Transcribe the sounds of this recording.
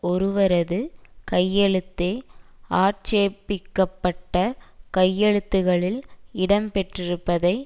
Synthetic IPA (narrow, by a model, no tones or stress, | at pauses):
ɔɾɯʋɐɾɐðɯkɐjːɛɭɯt̪ːeːʔaːʈt͡ʃeːpːɪkːɐpːɐʈːɐkɐjːɛɻɯt̪ːɯɣɐɭɪlɪɽɐmpɛʈrɪɾɯpːɐðɐɪ